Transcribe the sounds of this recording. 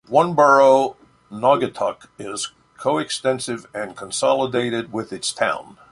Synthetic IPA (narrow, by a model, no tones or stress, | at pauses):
wʌ̃nbɜ˞oʊ | nɑɡɨtʰʌ̰k | ɪz̥ | kʰoʊɨkstɛ̃nsɨvɨ̃nkʰə̃n̩sɑlˠədeɪɾɨd̚wɪðɨtstʰã̰ʊ̃n